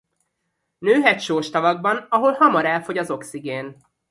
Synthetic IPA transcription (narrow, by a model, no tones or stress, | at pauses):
nøːɦɛt̪ʃoːʃt̪ɒvɒɡ̚bɒnɒɦo̞lhɒmɒɾɛlfo̞ɟɒzo̞ksiɡeːn